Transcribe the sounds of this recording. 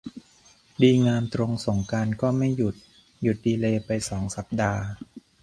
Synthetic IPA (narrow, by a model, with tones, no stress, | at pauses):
diː˧ŋaː˧mt̪ɾo˧ŋso˩˦ŋka˧nkɔː˥˩ma˥˩jːu˨˩t̪̚ | ju˨˩t̪̚diː˧leː˧pa˧jsɔː˩˦ŋsa˨˩p̚daː˧